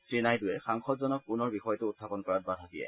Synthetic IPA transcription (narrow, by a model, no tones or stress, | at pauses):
sɹinajdʊjɛxaŋxɔtzɔnɔk̚punɔɹbixɔjɔtʊʊtʰːapɔnkɔɹat̚badʱadijɛ̰